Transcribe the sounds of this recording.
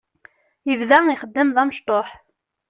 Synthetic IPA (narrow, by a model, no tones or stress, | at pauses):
jəvðæiχəd̪ːəmðæməʃt̪ˤoħ